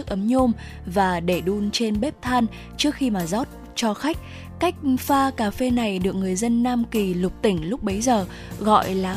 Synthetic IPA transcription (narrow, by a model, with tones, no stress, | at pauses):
ək̚ʔə˨˦mɲo˧m | vaː˨˩ɗe˧˩ɗu˧nt͡ɕe˧nɓe˦˥p̚t̪ʰaː˧n | t͡ɕɨ˦˥ək̚xi˧maː˨˩zɔ˦˥t̚ | t͡ɕɔ˧xa˦˥jk̟̚ | ka˦˥jk̟̚faː˧kaː˧˩fe˧na˨˩jɗɨ˨˩ək̚ŋɨ˨˩əjzə˧nːaː˧mki˨˩lʊ˨˩k͡p̚t̪ï˧˩ŋ̟lʊ˦˥k͡p̚ɓə˨˦jzəː˨˩ | ɣɔ̰˧˨jlaː˨˩